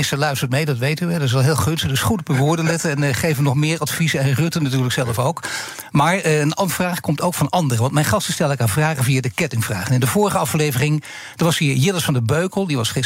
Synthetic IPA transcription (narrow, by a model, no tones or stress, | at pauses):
ɪstəɹlœɥstəɹt̚mejdɑtʋejtyɛdəɪs̬ʋɛlˠɦɪːlˠχønstəχdɵsχutɔpəʋʊːɹdənlɛtəɛnχejvəʋənɔχmɪːɹɑtfizəɛnrɵtənatyːɹləksɛlˠəfowk | maːɹənɑnfraːχkɔmtowkfɑnɑndərəʋɑnt̚mɛjnχɑstəstɛlˠdɪkaːnvraːχəvijadəkɛtɪŋvra̰ːχənɪndəvʊːɹəχəɑflejvərɪŋ | d̥əɹʋɑshiːɹjɪləsfɑndəbøɥkəlˠdiʋɑsχɪ